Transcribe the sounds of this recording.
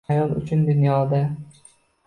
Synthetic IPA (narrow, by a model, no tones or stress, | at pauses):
ajɒnʊ̰t͡ʃʰʊnd̪ʊnjɒd̪a